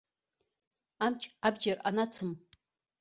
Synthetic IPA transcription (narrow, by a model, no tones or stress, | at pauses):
amt͡ʃʼabd͡ʒɐra̰nat͡sʰɨm